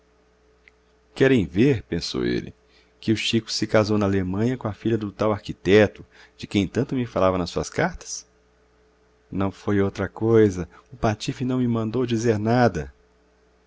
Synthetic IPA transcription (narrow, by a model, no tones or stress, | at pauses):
kɛɾẽj̃veɾpẽso̰wḛlɪ̰ | kɪʊʃikʊ̥sɪkazownɐalemɐ̃ɲɐkõɐfiʎɐd̪ʊt̪awaɾkit̪ɛt̪ʊ | d͡ʒɪkẽj̃t̪ɐ̃nt̪ʊmɪfalavɐnɐsuɐskaɾt̪ɐ̥s | nɐ̃w̃fojowt̪ɾɐkojzɐ | ʊpat͡ʃifɪnɐ̃w̃mɪmɐ̃nd̪owd͡ʒizeɾnad̪ɐ